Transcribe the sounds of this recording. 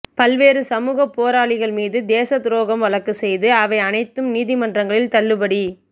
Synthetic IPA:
pɐlʋeːɾɯsɐmuːɣɐpːoːɾaːɭɪɣɐɭmiːðɯd̪eːsɐt̪ɪɾoːɣɐmʋɐɭɐɾkːɯsɛjðɯɐʋɐɪɐnɐɪt̪ːɯmniːðimɐndrɐŋɡɐɭɪlt̪ɐɭːɯbɐɽi

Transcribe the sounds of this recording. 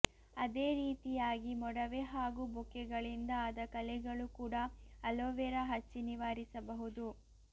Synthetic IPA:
ɐd̪eːɾiːt̪ijaːɡimɔɽɐʋeɦaːɡubɔkːɛɡɐɭind̪ɐːd̪ɐkɐlɛɡɐɭukuːɽɐːloʋɛɾɐɦɐt͡ʃːiniʋaːɾisɐbɐɦud̪u

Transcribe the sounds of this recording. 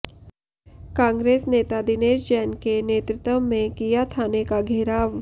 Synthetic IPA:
kãːŋɡɾeːsneːt̪ad̪ɪneːd͡ʒd͡ʒɛːnkeneːt̪ɾɪt̪ə̃mẽkijat̪ʰanekaɡʱeːɾaːʋ

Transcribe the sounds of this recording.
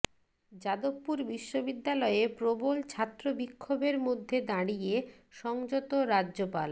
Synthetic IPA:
d͡ʑad̪obːuɾbiʃːobid̪ːalɔepɾobolt͡ɕʰat̪ːɾobikʰːobeɾmod̪ʱːed̪aɽije | ʃɔŋd͡ʑot̪oɾaːʑopal

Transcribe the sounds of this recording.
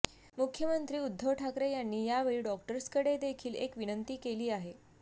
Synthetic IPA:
mukʰːjəmənt̪ɾiːud̪ʱːowʈʰakɾejanːiːjaʋeɭiɖɔkʈəɾskəɽed̪ekʰiːlḛkʋinənt̪iːkeliːaɦe

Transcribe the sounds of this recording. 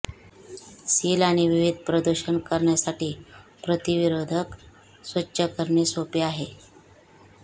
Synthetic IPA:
silaɽ̃iʋiʋid̪̚ʱpɾəd̪əɾɕənkəɾɳjasaʈiːpɾət̪iʋiɾod̪ʱək | sʋətːɕəkəɾɳesopeaɦe

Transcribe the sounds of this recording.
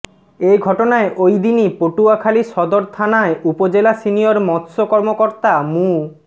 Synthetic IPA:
ejɡʱɔʈonaeʔojd̪inipoʈuakʰaliʃɔd̪oɾt̪ʰanaeʔupod͡ʑelasinijoɾmɔt̪sokɔɾmokoɾt̪amũ

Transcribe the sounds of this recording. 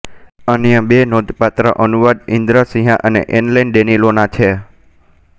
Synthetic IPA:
ənjə̃benod̪ʱpat̪ɾəʔənuʋad̪ĩnd̪ɾəsĩɦãʔənḛʔenlainɖenilonat͡ʃʰe

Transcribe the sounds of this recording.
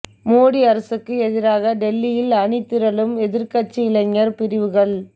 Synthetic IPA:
moːɽiɐɾɐsɯkːɯɛðɪɾaːɣɐɖɛlːɪjɪlɐɳɪt̪ːɪɾɐlɯmɛðɪɾkɐt͡ʃːiɪlɐŋːɐɾpɪɾɪʋɯɣɐɭ

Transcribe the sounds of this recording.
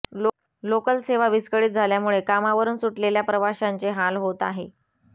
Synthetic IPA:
lokəlseʋaʋiskəɽiːt̪̚d͡zʱaljamuɭekamaʋəɾuːnsuʈleljapɾəʋaɕant͡seɦalɦot̪aɦe

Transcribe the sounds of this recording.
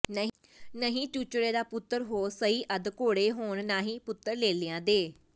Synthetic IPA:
nə | nəɦĩːt͡ʃuːt͡ʃɽeːd̪aːpʊt̪ːəɾɦoːsəɦiːʔəd̪koːɽeːɦoːɳnaːɦĩːpʊt̪ːəɾleːlɪãːd̪eː

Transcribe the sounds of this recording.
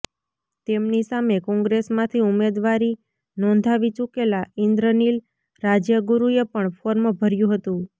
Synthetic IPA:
t̪emnisamekɔ̃ŋɡɾesmãt̪ʰiumed̪ʋaɾi | nɔ̃nd̪ʱaʋit͡ʃukelaʔɪnd̪ɾənil | ɾad͡ʒjəɡuɾuepəɳfʰoɾməbʱəɾjũɦət̪ũ

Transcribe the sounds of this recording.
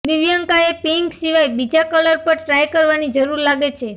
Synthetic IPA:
d̪ɪʋjaŋkaepiŋksiʋajbid͡ʒakələɾpəɾʈɾajkəɾʋanid͡ʒəɾuɾlaɡet͡ʃʰe

